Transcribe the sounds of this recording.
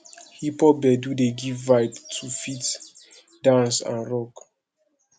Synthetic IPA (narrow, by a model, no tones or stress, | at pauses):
hipɔbɛdudeɡivvaɪttʰːufit | dãnsã̰nɹɔk